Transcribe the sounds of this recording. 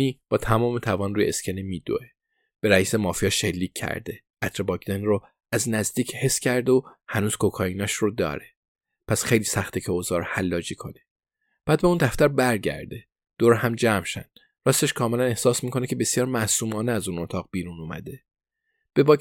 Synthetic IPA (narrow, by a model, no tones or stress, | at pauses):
iːb̥ɒːt̪ʰæmɒːmet̪ʰævɒːnɾuːjeescʰenemiːd̪o̰ʔe | b̥e̞ɾæiːsemɒːfijɒːʃe̞lːiːcʰːæ̰ɾd̪e̞ | ʔæt̪ʰɾebɒkʰd̪enro | æznæzd̪iːcʰhe̞sːcʰæɾd̪ohænuːz̥kʰokʰɒːiːnɒːʃɾod̪ɒ̰ːɾe | pʰæsxe̞jliːsæxt̪ʰicʰeozɒːɾhælːɒːd͡ʒiːkʰo̞̰ne | b̥æːd̪̚beuːnd̪æft̪æɾbæɾɟæ̰ɾd̪e̞ | d̪̥oɾhæmd͡ʒæmʃæ̰nd̪̥ | ɾɒːst̪eʃkʰɒːme̞læne̞hsɒːsmiːkʰo̞necʰe̞be̞sjɒːɾmæsuːmɒːneæzuːno̞t̪ʰɒːɣbiːɾunumæ̰d̪e̞ | b̥e̞bɒː